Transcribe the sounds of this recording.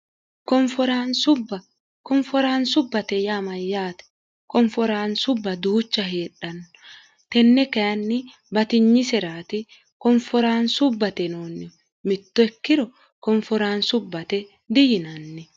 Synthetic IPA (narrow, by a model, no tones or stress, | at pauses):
kɔɱfɔɾaːnsʊbːɐ | kɔɱfɔɾaːnsʊbːɐt̪ɛjaːmɐjːaːt̪ɛ̥ | kɔɱfɔɾaːnsʊbːɐd̪uːt͡ʃːɐɦeːɗːɐnːɔ | t̪ɛnːɛkɛjɐnːɪ | bɐt̪ɪɲːɪsɛɾaːt̪ɪ | kɔɱfɔɾaːnsʊbːɐt̪ɛnoːnːɪ | mɪt̪ːɔɛkːɪɾɔ | kɔɱfɔɾaːnsʊbːɐt̪ɛ | d̪ɪjɪnɐnːɛ